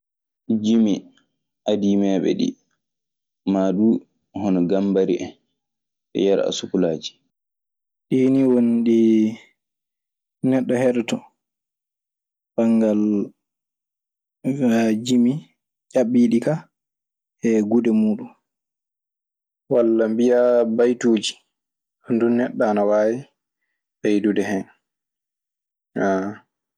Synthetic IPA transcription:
d͡ʒimi | ʔadiːmɛːɓɛ̰ɗḭ | maːɗuː | hɔnɔɡambaɾiʔɛn | ʔɛ̰jaɾ̰a̰sukulaːd͡ʒi̥ | ɗiːniwonɗi | nɛɗːɔhɛɗɛtɔ | b̥aŋɡal | d͡ʒimi | t͡ʃaɓiɗika | ɛɡudɛmuːɗum | walːambijabajtuːd͡ʒi | andunːɛɗːaːnawaːwi | ɓajdudɛɦɛn | a

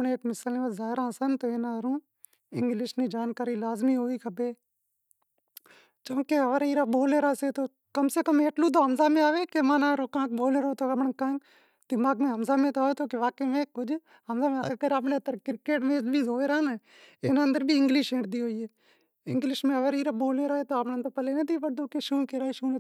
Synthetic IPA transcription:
ɳeeːkmɪsaleːʋəzaːɪɾãːsənt̪oːeːnaːɾũː | ɪ̰̃ŋɡlɪʃniːd͡ʒaːnkaːɾiːlaːzmiːɦoːiːkʰəbeː | t͡ʃõːkeːəʋəɾiːɾaːɓoːleːɾaːseːt̪oː | kəmseːkəmeːʈlũːd̪oːɦəmzaːmẽːaːʋeːkemãːnaːɾoːkãːkboːleːɾoːt̪oːəmɳkã | d̪ɪmaːɡmẽːɦəmzaːmẽːt̪oaːʋeːt̪oːkeʋaːkeːmẽːkʊd͡ʒ | ɦəmzaːmeːɡəɾapnẽːət̪əɾkɪɾkeːʈmẽːbʱiːzoːeːɾaːn | enə̃nd̪əɾbʱiːɪŋɡlɪʃẽːɳʈd̪iːɦoːiːeː | ɪ̃ŋɡlɪʃmẽəʋəɾiːɾaːboːleːɾaːeːt̪oːapñnt̪opəleːnət̪iːpəɾd̪oːkeːʃuːkeːɾaːeʃuːmẽː

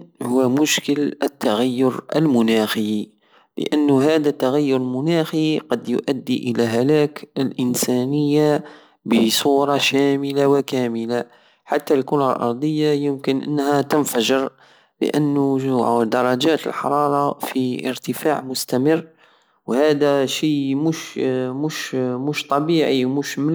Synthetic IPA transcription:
hʊwːæmʊʃkələt̪ːaɣæjːʊɾə̰lmʊnæxi | lə̰ʔənːɦæd̪æt̪ːaɣæjːʊɾəlmʊnæxiqɑd̪jʊ̰ʔæd̪ːiʔəlæɦælækəlʔənsænəjːa | bəsˤuːɾˤɑʃæməlawəkæməla | ħat̪ːalkʊɾalʔɑ̰ɾˤd̪ˤəjːajəmkənʔə̰nːhæt̪ənfæʒəɾ | lə̰ʔənːʊʒʕd̪ɑɾˤːɑd͡ʒæt̪ə̰lħɑ̰ɾˤɑɾˤɑfiə̰ɾt̪əfaʕmʊst̪æmərː | whæd̪æʃijmuʃmuʃmuʃt̪ˤɑbiʕimuʃm

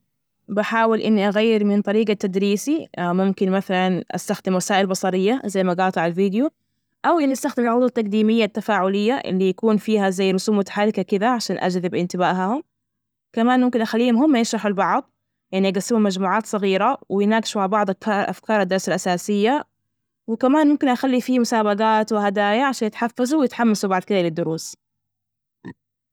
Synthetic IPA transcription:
baħaːwɪlʔɪnːiʔaɣajːɪɾmɪnt̪ˤɑɾiːɡat̪ad̪ɾiːsimʊmkɪnmaθalanʔa̰st̪axd̪ɪmwasaːʔɪlbɑsˤɑɾɪjːazajːmaɡɑːt̪ˤʕalviːd̪jo | ʔawʔɪnːiʔast̪axd̪ɪmlʕʊd̪ˤːɑt̪ːaqd̪iːmɪjːat̪ːafaːʕʊlɪjːaʔɪ̰lːijakuːnfiːhazajːrʊsuːmʊt̪ḁħarˤːɪkakɪd̪aʕaʃaːnʔa̰d͡ʒðɪbʔɪnt̪ɪbaːʔɦahʊm | kamaːnmʊmkɪnʔaxalːiːhʊmɦʊmːajɪnʃɾˤɑħalbɑʕd̪ˤ | jʔanːiʔaɡasːɪmʊmːad͡ʒmuːʕaːt̪sˤɑɣiːɾawɪjɪnaːɡɪʃmaʕabɑʕd̪ˤʔa̰fkɑːɾˤad̪ːɑɾˤsalʔasaːsɪjːa | wɪkamaːnmʊmkɪnʔaxalːifiːmʊsaːbaɡaːt̪wɪhad̪aːjaʕaʃaːnjɪt̪ħafːazuwjɪt̪ħamːasubɑʕd̪̚ˤkɪðalɪd̪ːʊɾuːs

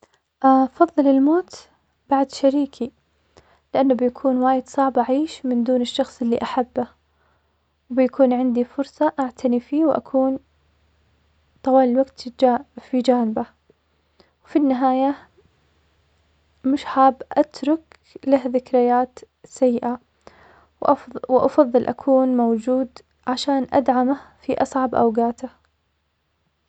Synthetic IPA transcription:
ʔafɑðˤːɨlɪlmoːt̪ | b̥aʕd̪ʃaɾiːkʰi | lɪʔanːabɪjakʰuːnwaːjɪd̪sˤɑʕbʔaʕiːʃmɪnd̪uːnɪʃːɑxsˤʔɪlːiʔaħabːa | wbɪjakʰuːnʕɪnd̪ifʊɾsˤɑʔaʕt̪ʰanifiːwʔa̰kʰuːn | t̪ˤɑwɑːlɪlwaɡt̪d͡ʒafid͡ʒaːnɪba | wfinːɪɦaːja | mɪʃħaːbʔat̪ɾˤʊk | lahðɪkɾɪjaːt̪ | sajːɪʔa | wʔwʔɑfɑðˤːɨlʔa̰kʰuːnmowd͡ʒuːd̪ | ʕaʃaːnʔa̰d̪ʕamafiʔɑsˤʕɑbʔa̰wɡaːt̪a

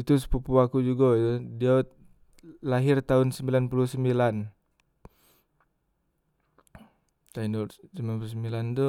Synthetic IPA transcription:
it̪us̬pupuakud͡ʒuɡɔdia | laɦɪrt̪aʊnsəmbilanpulusəmbilan | t̪ainusəmbilanpulusəmbilant̪u

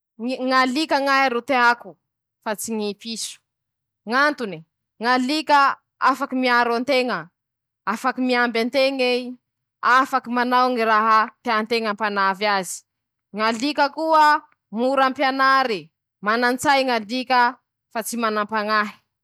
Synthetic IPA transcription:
ŋalikaŋaɦiɾut̪eaku | fat͡siŋipisu̥ | ŋant̪uni | ŋalikə | afakimiaɾant̪eŋə | afakimiambant̪eŋe | afakimanawŋiɾaɦat̪eant̪eŋampanavazi̥ | ŋalikəkuə | muɾampjanaɾi | manant͡sajŋalikə | fat͡simanampaŋaɦi̥

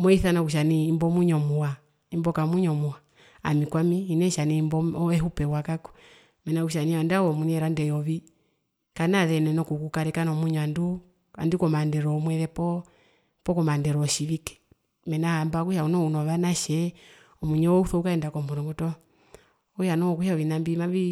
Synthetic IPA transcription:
mɔiθanakuʃ̬aniːmbɔmuɲɔmuwa | imbɔkamuɲɔmua | a̰mikwamiinɛʃanimbɔɔɛɦupɛwakakɔ̥ | mɛnakuʃ̬aniwandawɔmuɲɛɾandɛjɔβi | kanaðɛnɛnɔkukukaɾɛkanɔmuɲɔandu | a̰ndikɔmandɛɾɔmwɛðɛpɔ | pɔkɔmandɛɾɔʃiβikɛ̥ | mɛnahambakuʃaunɔunɔβanaʃɛ | ɔmuɲɛɔuθɔukaɛndakɔmbɔɾɔŋɡɔtɔ | ɔjanɔkuʃaɔʋinambimaβi

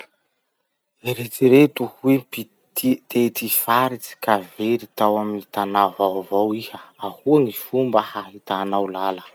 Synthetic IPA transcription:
eɾet͡siɾet̪uhuepi | t̪it̪et̪ifaɾit͡si̥kaveɾit̪awaminit̪anavavawihəahuaŋifumbəhaɦit̪anawlalə

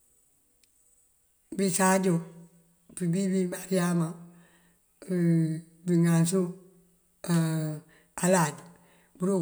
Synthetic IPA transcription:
bisaːd͡ʒo | bibibimaɾiamã | biŋãns̬u | alad | buɾo

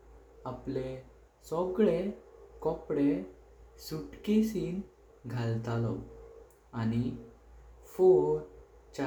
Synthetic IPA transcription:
aple | sɔɡɭekɔpɽe | suʈkesiːn | ɡʱalt̪alə̰w | añi | foɾ | t͡ɕa

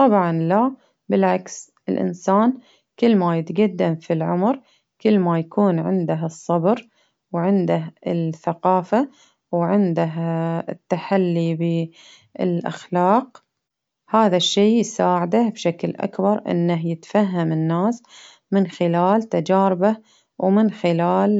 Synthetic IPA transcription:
t̪ˤɑbʕɑnla | bɪlʕaks | ɪlʔɪ̰nsaːn | kɪlːmajɪt̪ɡad̪ːamfilʕʊmɾ | kɪlːmajakuːnʕɪ̰nd̪aɦɨsˤːɑbɾ | wʕɪnd̪aɪθaqɑːfa | wʕɪnd̪aɦɪt̪ːaħalːibɪ | ɪlʔa̰xlaːq | haːðaʃːiːsaːʕɪd̪abʃaklʔa̰kbɑɾˤʔɪ̰nːaɦjɪt̪faɦːamɪnːaːs | mɪnxɪlaːlt̪ad͡ʒaːɾɪba | wmɪnxɪlaːl

